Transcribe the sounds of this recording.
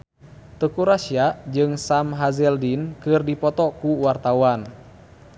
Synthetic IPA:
t̪əkuɾasiaʔd͡ʒɨŋsamɦazɛldinkɨrdipɔt̪ɔkuwart̪awan

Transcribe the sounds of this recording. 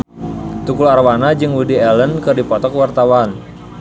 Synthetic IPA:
t̪ukularwanad͡ʒɨŋwudiɛlənkɨrdipɔt̪ɔkwart̪awan

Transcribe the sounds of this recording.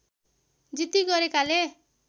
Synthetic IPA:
d͡zit̪iɡʌɾekale

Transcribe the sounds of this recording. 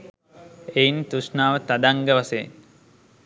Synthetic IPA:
ejint̪uʂnaːʋət̪ad̪aŋɡəʋasḛn

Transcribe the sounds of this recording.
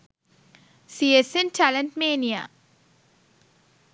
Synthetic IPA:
siesẽntʰælə̃nʈmeːnia̰

